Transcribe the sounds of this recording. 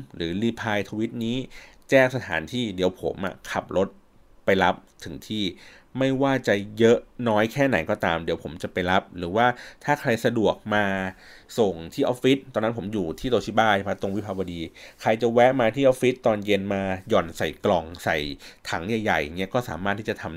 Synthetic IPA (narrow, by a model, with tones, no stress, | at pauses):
ɾɯː˩˦liː˧pʰaː˧jt̪ʰa˧wi˦˥t̪̚niː˦˥t͡ɕɛː˥˩ŋsa˧t̪ʰaː˩˦nt̪ʰiː˥˩di˨˩˦əwpʰo̰˩˦mʔa̰˨˩kʰa˨˩p̚ɾo˦˥t̪̚ | pa˧jla˦˥p̚t̪ʰɯ˩˦ŋt̪ʰiː˥˩ | ma˥˩jwaː˥˩t͡ɕa˨˩jɤ˦˥ʔnɔː˦˥jkʰɛː˥˩na˩˦jkɔː˥˩t̪aː˧mdi˨˩˦wpʰo˩˦mt͡ɕa˨˩pa˧jla˦˥p̚ɾɯː˩˦waː˥˩t̪ʰaː˥˩kʰɾa˧jsa˧du˨˩ək̚maː˧so˨˩ŋt̪ʰiː˥˩ʔɔː˦˥pfi˦˥t̪̚ːɔː˧nːa˦˥pʰo˩˦mjuː˨˩t̪ʰiː˥˩t̪o˧t͡ɕʰi˥˩baː˥˩a˥˩pʰa˦˥t̪o˧ŋwi˦˥pʰaː˧wa˧diː˧kʰɾa˧jt͡ɕa˨˩wɛ˦˥ʔmaː˧t̪ʰiː˥˩ʔɔː˦˥fi˦˥t̪ːɔː˧nje˧nmaː˧jɔː˨˩nsa˨˩jklɔ˧ŋsa˨˩jt̪ʰa˩˦ŋja˨˩jːa̰˨˩jŋːi˦˥ɐkɔː˥˩saː˩˦maː˥˩t̪ʰːiː˥˩t͡ɕa˨˩t̪ʰa˧m